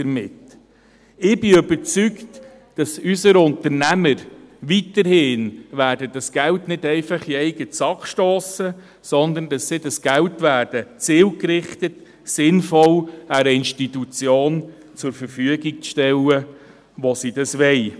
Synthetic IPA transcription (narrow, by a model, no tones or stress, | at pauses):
dəɾmɪt | ɪb̥ɪøbəɾt͡sykt | d̥ɑsysəɾʊntəɾnæməɾʋitəɾhɪːnʋæːɾdəd̥ɑsɡ̥æltnɪdɛɪfɑχiɛɪɡ̥ət͡sɑkʃtoːsə | sɔnd̪əndɑsːɪdɑsɡ̥æltʋæːɾd̥ət͡sɪːlkɾɪχtət | sɪnfɔlæɾəɪnʃtitut͡sjoːn | t͡sʊɾfəɾfyəɡik̚t͡sʃtɛlə | ʋɔsidɑsʋɛɪ